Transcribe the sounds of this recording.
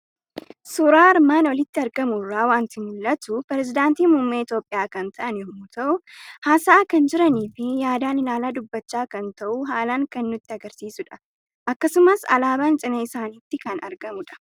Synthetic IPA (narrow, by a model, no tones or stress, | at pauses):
sʊɾaːɪɾmaːnwɔlɪt̪ːɪɐɾɡɐmʊrːaːwaːnt̪ɪmʊlːɐt̪ʊpɛɾɛzɪd̪aːnt̪iːmʊmːeːɪt̪jo̞ːpʼːɪjaːkɐnt̪ʰɐʔɐnjɔmʊt̪ʰɐʔʊhaːsɐːkɐnd͡ʒɪɾɐniːfɪjaːd̪aːnɪlaːlaːd̪ʊbːɐt͡ʃːaːkɐnt̪ɐʔʊɦaːlaːŋkɐnːʊt̪ːɪɐɡɐɾsiːsʊᶑɐ̥ | ʔɐkːɐsʊmɐsɐ̰laːbaːnt͡ʃʼɪnɐɪsaːniːt̪ːɪkɐnɐɾɡɐmʊᶑɐ̥